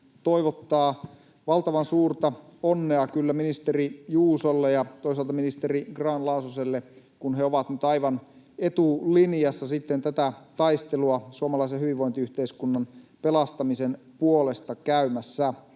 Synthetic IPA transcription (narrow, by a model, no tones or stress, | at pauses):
t̪oiʋot̪ːɑː | ʋɑlt̪ɑʋɑnsuːrt̪ɑonːeɑkylːæminist̪erijuːsolːejɑt̪ois̬ɑlt̪ɑminist̪eriɡrɑːnlɑusoselːe | kunɦeoʋɑt̪nyt̪ɑjʋɑn | et̪uliniɑsːɑsit̪ːent̪æt̪æt̪ɑist̪eluɑsuɑmɑlɑisehyʋiʋʋoint̪iyht̪eiskunːɑnpelɑst̪ɑmisen | puole̞st̪ɑkæymæsːæ